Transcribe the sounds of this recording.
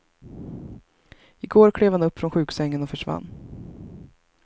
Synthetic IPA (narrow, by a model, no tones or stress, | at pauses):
ɪɡoːɾkʰɽeːvhanɵpːfɾɔnɧʉ̟ːksɛŋːənɔfœʂva̰nː